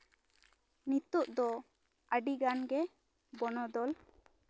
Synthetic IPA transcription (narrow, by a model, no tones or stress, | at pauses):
nit̪uʔd̪ɔ | əɖiɡanɡɛ | bɔnɔd̪ɔl